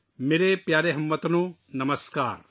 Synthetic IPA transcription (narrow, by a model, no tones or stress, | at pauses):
meːɾepjaːɾeɦɐmːɐt̪ɐnunɐmɐskaːɾ